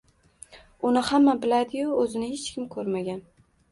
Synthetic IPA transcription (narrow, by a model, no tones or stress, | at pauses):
ʊnɪhamːabɪlad̪ɪjʊɵzɪnɪhet͡ʃkʲɪmkʰɵɾmaɡʲan